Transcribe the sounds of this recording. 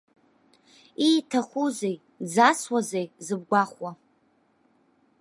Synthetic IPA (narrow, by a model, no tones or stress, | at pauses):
itʰaχʷuzej | d͡zaswazejzɨb̚ɡʷaχwa